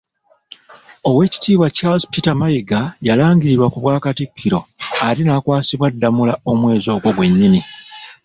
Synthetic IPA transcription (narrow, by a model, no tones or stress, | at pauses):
o̞we̞ːci̥tiːβwacalzpitamajiɡajalaːŋɡiɾiɾwakuβwaːkatikʰːiɾo̞aɾinaːkwaːsiβwadːamulao̞mwe̞ːzo̞ːɡwo̞ɡwe̞ɲːini